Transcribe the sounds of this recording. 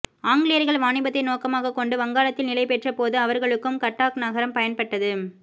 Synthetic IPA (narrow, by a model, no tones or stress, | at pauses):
aːŋɡɪɭɪjɐɾɣɐɭʋaːɳɪbɐt̪ːɐɪnoːkɐmaːɣɐkːɔɳɖɯʋɐŋɡaːlɐt̪ːɪlnɪlɐɪpɛʈrɐpoːðɯɐʋɐɾɣɐɭɯkːɯmkɐʈːaːknɐɣɐɾɐmpɐjɐnpɐʈːɐðɯ